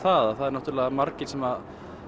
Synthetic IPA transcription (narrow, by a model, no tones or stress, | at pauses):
θaðaθaðɾnaht̪uɾlɛːɣamaɾcɪ̥sɛma